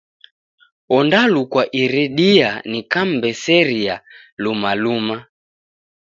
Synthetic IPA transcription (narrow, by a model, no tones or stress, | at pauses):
ɔndalukwaʔiɾɛɗianikambɛsɛɾia | lumaluma